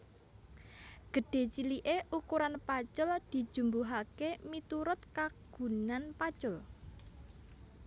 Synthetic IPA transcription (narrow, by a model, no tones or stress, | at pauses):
ɡ̥ə̤ɖ̥e̤t͡ʃiliʔeʔukuɾanpat͡ʃʊld̪̥i̤̥ʒ̥ṳmbuɦakemit̪uɾʊt̪̚kaɡ̥ṳnanpat͡ʃʊl